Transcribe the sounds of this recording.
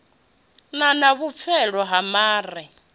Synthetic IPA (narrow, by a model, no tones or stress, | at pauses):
nanaβup̪fʰɛɺɔɦamaːri